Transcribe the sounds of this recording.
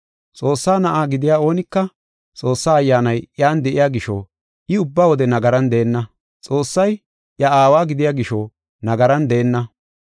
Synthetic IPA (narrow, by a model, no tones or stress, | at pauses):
t͡sʼo̞ːsːaːnɐʔaːɡɪd̪ɪjaːo̞ːnɪkːɐ | t͡sʼo̞ːsːaːɐjːaːnɐjjaːnd̪ɛʔɪjaːɡɪʃo̰ː | ʔɪʊbːaːwɔd̪ɛnɐɡɐɾɐnd̪ɛːnːɐ | t͡sʼo̞ːsːɐj | ʔjɐaːwaːɡɪd̪ɪjaːɡɪʃoː | nɐɡɐɾɐnd̪ɛːnːɐ